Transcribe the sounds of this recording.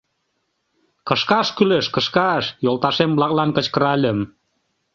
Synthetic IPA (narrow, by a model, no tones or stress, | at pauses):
kə̆ʃkɑʃkyleʃkə̆ʃkɑʃjolˠt̪ɑʃemblɑklɑnkə̆t͡ɕkə̆ɾɑlʲə̆m